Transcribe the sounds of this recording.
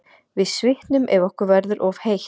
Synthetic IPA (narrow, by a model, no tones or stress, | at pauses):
vɪðsvɪht̪nʏmʔɛvɔhkʏɾvɛɾðʏɾʔɔvhejh